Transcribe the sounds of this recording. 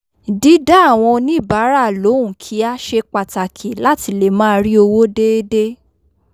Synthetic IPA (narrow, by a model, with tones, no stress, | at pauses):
di˨˦da˦a˦˨w̃ɔ̃˧nĩ˦i˦˨ba˨˦ɾa˦˨lo˨˦ũ˨kʰi˨˦a˦ʃe˧k͡pa˨ta˨kʰi˨la˦ti˧le˨mãː˦˧ɾi˦o˧wo˦de˦de˦